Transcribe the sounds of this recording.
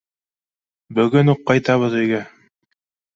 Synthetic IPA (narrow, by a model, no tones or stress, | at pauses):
bɵ̆ɡɵnuqːɑjt̪ɑβɤðɵ̆jɡæ